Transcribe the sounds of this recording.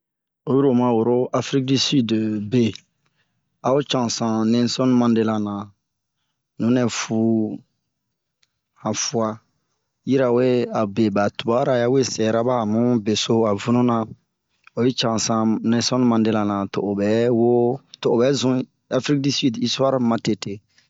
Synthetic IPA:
o˨˦ju˦ɾo˨mã˨wo˨ɾo˦ʔa˦fɾi˦k̚di˦sy˦dbe˨ | a˨o˦t͡ʃã˨sã˨nɛ̃˦sɔ̃˦nmã˦de˦la˨nã˨ | nũ˨˦nɛ˨fu˨ | hã˨fu˦a˦ | ji˦ɾa˨we˦a˨be˨ba˨tu˨ba˦ɾa˨ja˦we˦sɛ˨ɾa˦ba˦˨mũ˦be˨so˦a˨vu˦nũ˦nã˨ | o˨je˦t͡ʃã˨sã˨nɛ̃˦sɔ̃˦nmã˨nde˦la˨nã˨to˨o˨bɛ˦wo˦to˨o˨bɛ˦zũ˦ | a˦fɾi˦k̚di˦si˦di˦su˦a˦ɾmã˨te˨te˨

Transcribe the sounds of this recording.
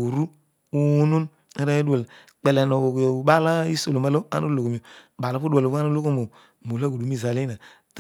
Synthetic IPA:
u˨ɾu˦ | u˦nu˦n | e˦ɾa˦du˦a˨l | k͡pɛ˨lɛ˨no˨ko˨ɓa˦la˦i˦so˨lo˨ma˨lo˦a̰˦no˦lo˨ko˨mi˨o˨ba˨lo˦pu˦dwa˨lo˨ku˦a˦no˦lo˦ko˦mo˨ | mo˨la˦˨ɡu˨du˨˦i˦˨za˨le˦na˨ | t

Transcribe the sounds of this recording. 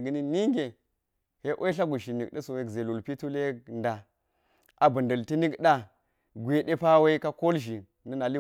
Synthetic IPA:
ɡə˨ni˦ni˦ŋɡe˨ | he˦ʔo˦i˦ɬa˦ɡu˨ʃi˨ni˨kɗə˦so˨we˨kze˨lu˨lpi˦tu˦le˦˨nda˨ | a˨bə˨ndə˨lti˦ni˦kɗa˦ | ɡʷe˨de˦pa˦we˦ka˦ko˦lʒi˨ | nə˦na˨li˦

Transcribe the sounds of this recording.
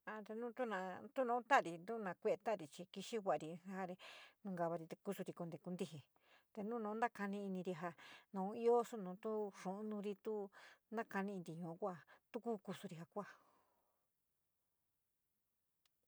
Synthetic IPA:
a˧t̪e˧nũː˦t̪u˦nã˧˨t̪u˦nõː˧˦t̪a˦˨ɾi˧nd̪u˦nã˧kʷe˦˧e˧t̪a˦˨ɾi˧t͡ʃi˧ki˧ʃi˦wʷa˧˨a˨˧ɾi˧a˧˦ha˦˧ɾe˧nũ˧ŋɡa˧βa˧ɾi˧t̪e˧ku˦˧su˧ɾi˧ku˧nd̪e˧ku˧nd̪i˦ɦe˨ | t̪e˧nũ˦nõː˧˦nd̪a˦ka˧nĩ˧i˧nĩ˧ɾi˧ɦa˧nõ˨˦i˦o˦su˦nũː˨˦t̪u˦ʂũ˨ʔnũ˧ɾi˧t̪u˦nã˦ka˧nĩ˧nd̪i˧ɲũ˨˧˦kʷa˧˨t̪u˦ku˦ku˧su˧ɾi˧ɦa˧kʷa˧˨

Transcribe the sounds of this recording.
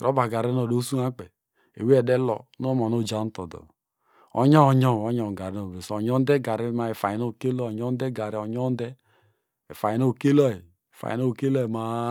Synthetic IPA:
ɾo˦ba˨ɡa˨ɾe˦n˦o˨do˦su˦ŋa˦k͡pɛ˨ | ḛ˨wi˦ɛ˨dɛ˦lɔ˨˦no˦mɔ˨no˦˨d͡ʒa˦n̩˦to˨dɔ̰˨ | ɔ̰˦ɲɔ˦˨ɲɔ˦˨o˦ɲɔ˨ɡa˨ɾe˦no˨be˨sɲ˦ɔ˦n˦dɛ˦ɡa˨ɾe˦ma˨e˨fa˨i˨no˦˨ke˦lɔ˦˨ɲɔ˦n˦dɛ˦ɡa˨ɾi˦o˨ɲɔ˦n˦dɛ˦ | e˨fa˨ji˨˦no˦˨ke˦lɔ˦i˨ | e˨fa̰˨i˨no˦˨ke˦lɔ˦e˨ma˨

